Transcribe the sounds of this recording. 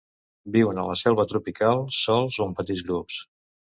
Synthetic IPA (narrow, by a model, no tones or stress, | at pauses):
biwənələsɛlˠβət̪ɾupikalˠsɔlˠzoumpət̪id̪d͡zɣɾups